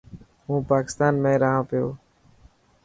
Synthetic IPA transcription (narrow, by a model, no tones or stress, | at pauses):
ɦũːpaːkɪ̥st̪aːnmẽːɾəɦãːpɪjoː